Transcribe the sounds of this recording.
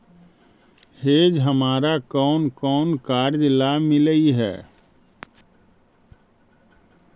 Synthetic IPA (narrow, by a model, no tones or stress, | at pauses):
heːd͡ʒɦəmaːɾakɔːnkɔːnkaːɾd͡ʒlamɪləiɦɛ̰ː